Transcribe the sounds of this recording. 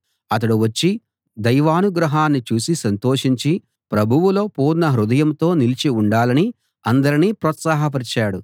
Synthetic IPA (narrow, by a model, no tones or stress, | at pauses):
ɐt̪ɐɽuʋɐt͡ʃːi | d̪ɐjʋaːnuɡɾɐɦaːnːit͡ʃuːsisɐnt̪o̞ːʂiɲt͡ʃi | pɾɐbʱuʋulo̞ːpuːɾnɐɦɾud̪ɐjɐmt̪o̞ːnilit͡ʃiuɳɖaːlɐni | ɐnd̪ɐɾiniːpɾoːt̪saːɦɐp̬ɐɾit͡ʃaːɽu